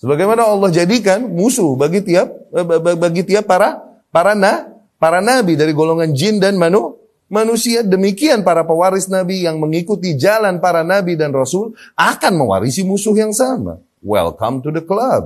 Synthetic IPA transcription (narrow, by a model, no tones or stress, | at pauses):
səbaɡajmanaɑlːɑhd͡ʒadik̬anmusʊhbaɡit̪iap̚baɡit̪iapːaɾa | paɾanah | paɾanabidaɾiɡoloŋand͡ʒɪndanmanu | manusiadəmikianpaɾapawaɾɪsnabijaŋməŋikut̪id͡ʒalanpaɾanabidanrɔsʊlʔakanməwa̰ɾisimusʊhjaŋsama̰ | wɛ̰lkɔ̰mtudəklab̚